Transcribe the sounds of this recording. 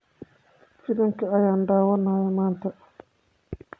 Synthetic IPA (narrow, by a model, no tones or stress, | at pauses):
fɪlɪŋkʰɐɐjaːnɖaːwɐnaːjɐmaːnt̪ʰɐ